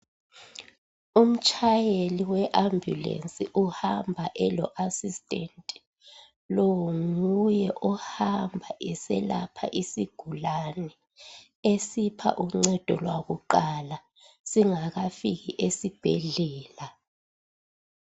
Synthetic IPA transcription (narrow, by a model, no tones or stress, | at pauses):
um̩t͡ʃʼʰajeliwɛʔambʱjṵlḛnsʼiʔuhambʱaʔɛlɔʔasistʼentʼi̥ | lowŋujɛʔɔhambʱaʔɛsɛ̰la̰pʰa̰ʔisiɡ̥ʱulanɛ | esipʰa̰ʔuŋ͡ǀɛd̥ʱɔ̰lwaɣuǃala | siŋaɣafiɣiʔesib̥ʱɛ̰ɮɛːla